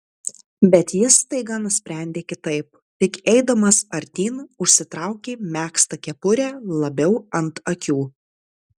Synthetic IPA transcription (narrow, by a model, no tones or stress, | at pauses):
bʲɛt̪jɪst̪ɐɪɡɐnʊsʲpʲɾʲæˑnʲd̪ʲeːkʲɪt̪ɐɪp̚ | t̪ʲɪkɛɪd̪ɐmɐsɐɾʲt̪ʲiːnʊʃʲsʲɪt̪ɾɐˑʊkʲeːmʲæːkst̪ɐkʲɛpʊɾʲæːlˠɐbʲɛʊɐnt̪ɐkʲuː